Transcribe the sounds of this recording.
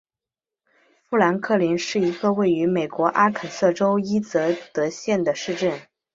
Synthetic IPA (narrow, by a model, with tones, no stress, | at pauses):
fu˥˩la˧˥nkʰɤ˥˩li˧˥nʂɻ̩˥˩i˧˥ɡə˧we˥˩ɪy˧˥me˨˩ɪkwɔ˧˥ʔa˥kʰə˨˩sɤ˥˩ʈ͡ʂo˥ʊi˥t͡sɤ˧˥t̪ɤ˧˥ɕjɛ˥˩nd̪ə˩ʂɻ̩˥˧ʈ͡ʂə˥˩n